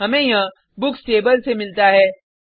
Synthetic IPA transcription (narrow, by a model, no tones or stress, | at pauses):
ɦɐmẽjã | bʊksʈeːbəlsemɪlt̪aɦɛː